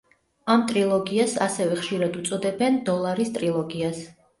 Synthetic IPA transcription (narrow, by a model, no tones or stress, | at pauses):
amt̪ʼɾilˠɔɡiasa̰sɛvɛχʃiɾad̪ut̪sʼɔd̪ɛbɛnd̪ɔlˠaɾist̪ʼɾilˠɔɡias